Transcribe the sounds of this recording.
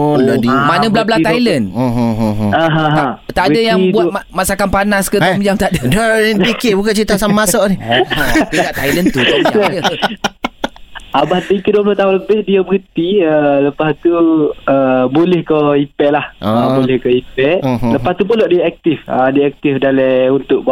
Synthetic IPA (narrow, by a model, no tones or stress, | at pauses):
loʔdimanə̃blablat̪ajlən | aɦãɦãt̪aʔdəjaŋbuat̪̚masakanpanaskət̪ɔmd͡ʒaŋt̪aʔdədaiikɪʔbukat͡ʃit̪asamamasɔʔni | iaʔt̪ajlənt̪ut̪ɔaajə | abaht̪əkəduəblat̪aɦʊ̃nləbɪhdiəbəɣənt̪iələpast̪uəbolɛhkəhipɛʔlahabolɛhkəipɛʔləpast̪upəlɔʔdiaak̚t̪ɪfədiɛk̚t̪ɪfdalɛunt̪ʊʔb